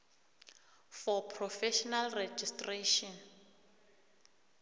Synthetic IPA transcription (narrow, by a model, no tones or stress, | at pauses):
fɔpʰrɔfɛʃɔnalrɛd͡ʒistʼreʃɔn